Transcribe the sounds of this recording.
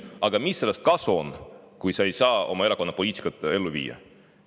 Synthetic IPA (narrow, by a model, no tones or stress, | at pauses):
ɑɡ̥ɑmisːe̞lːest̪̚kɑsuonkujsɑe̞jsɑːo̞̰mɑe̞ɾɑko̞nːɑpo̞liːt̪i̥kːɑt̪ːˑe̞lːuvḭːjːɑ̰